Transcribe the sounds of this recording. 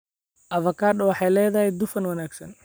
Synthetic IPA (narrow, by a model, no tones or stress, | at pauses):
ʔɐfɐkʰaːrdɔwɑħɑjlɛːjðɐɦɛjd̪ʊfɐnwɐnaːɡsɐn